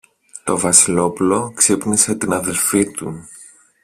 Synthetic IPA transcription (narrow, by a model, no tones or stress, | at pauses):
t̪o̞vɐsilo̞pulo̞ksipnise̞t̪inɐðe̞lfit̪u